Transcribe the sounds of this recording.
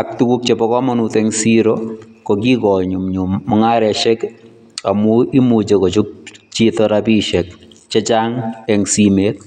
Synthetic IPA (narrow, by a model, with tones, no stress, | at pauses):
a˨k̚tu˦ku˦k̚t͡ʃe˨pɔ˦kɔ˦mɔ˦nutɛŋsiɾokoki˦kɔ˨ɲu˨mɲumːɔŋa˦ɾɛ˨ʃɛ˦k | a˨mu˦i˦mut͡ʃe˨kɔ˨t͡ʃu˦k̚t͡ʃi˦tɔɾapi˦ʃɛ˨k̚ | t͡ʃe˦t͡ʃaŋɛŋsimeː˨t̚